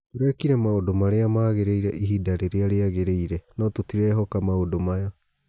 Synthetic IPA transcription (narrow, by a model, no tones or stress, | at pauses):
toɾɛkiɾɛmaodomaɾeamaːɣeɾeiɾɛʔiɦidaɾeɾeaɾeaɣeɾeiɾɛnɔtotiɾɛɦɔkamaodomajɔ